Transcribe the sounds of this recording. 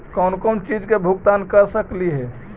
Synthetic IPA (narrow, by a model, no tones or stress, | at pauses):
kɔnkɔnt͡ʃid͡ʒkebʱuɡt̪ankəɾsəkliɦɛ